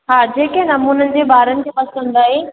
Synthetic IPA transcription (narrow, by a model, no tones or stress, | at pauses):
ɦaːd͡ʑeːkenɐmuːnənɪ̆d͡ʑeːbaːɾənɪ̆d͡ʑeːpɐsə̃nd̪aːɦe